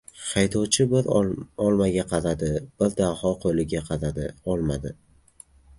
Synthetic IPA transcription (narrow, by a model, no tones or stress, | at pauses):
χajt̪ʰɒwt͡ʃʰɪbɪɾɒlˠmaɡʲaqʰɑzad̪ɪb̥ɪɾd̪ahɒqʰojlɪɡʲaqʰɑzad̪ɪɒlˠma̰d̪ɪ